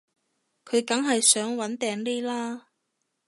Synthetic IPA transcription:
kʰɵ˨˧ɥkɐ˨˥ŋɦɐ˨jsœː˨˥ŋwɐ˨˥nt̪ɛː˨ŋliː˥laː˥

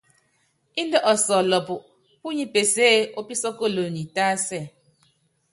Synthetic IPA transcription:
i˦n˦də˦ʔɔ˨sɔ˨lɔ˨pu˨ʔ | pu˦ɲi˦pe˨seː˦o˦pi˦sɔ˦ko˦˨lo˨ni˨taː˦sɛ˦˨

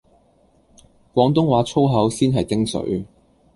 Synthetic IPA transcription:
kʷɔː˨˥ŋt̪ʊ˥ŋwaː˨˧˥t͡sʰo˥wɦɐ˨˥wsiː˥nɦɐ˨jt̪ɪ˥ŋsɵ̰˨˥ɥ

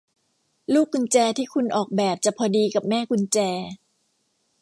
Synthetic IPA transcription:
luː˥˩kʰːu˧nt͡ɕɛː˧t̪ʰiː˥˩kʰu˧nʔɔː˨˩k̚bɛː˨˩p̚t͡ɕa˨˩pʰɔː˧diː˧ka˨˩p̚mɛː˥˩kʰu˧nt͡ɕɛː˧

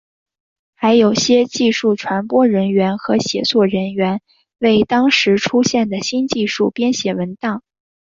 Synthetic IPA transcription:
xa˧˥ɪjo˨˩ʊɕjɛ˥t͡ɕi˥˧ʂu˥˩ʈ͡ʂʰwa˧˥npwɔ˥ɻə˧˥nɥɛ˧˥nxɤ˧˥ɕjɛ̰˨˩t͡swɔ˥˩ɻə˧˥nɥɛ˧˥n | we˥˩ɪt̪ɑ˥ŋʂɻ̩˧˥ʈ͡ʂʰu˥ɕjɛ˥˩nd̪ə˩ɕi˥nt͡ɕi˥˧ʂu˥˩pjɛ˥nɕjɛ˨˩wə˧˥nt̪ɑ˥˩ŋ

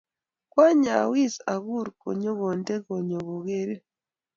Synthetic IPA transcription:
kwa˦ɲa̰˨wi˦za˨ɣu˦ɾko̰˨ɲo˦ɣo˨nde˦ɣo˨ɲo˨ɣo˨ɣe˦ɾe˦

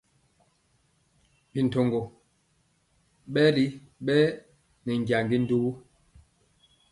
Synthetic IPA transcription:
bi˨n̩˨to˨ŋɡo˨ | ɓɛ˦li˦ | ɓɛ˦ | nɛ˨ŋ˨ɡja˨ŋɡi˦n̩˦du˦bu˦

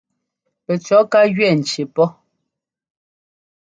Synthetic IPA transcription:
pɛ˨t͡ʃɔ˨˦ka˦ɣɥɛ˦˨n̩˨t͡ʃe˨pɔ˦

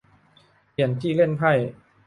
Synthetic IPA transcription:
i˩ənt̪ʰiː˥˩le˥˩npʰa˥˩j

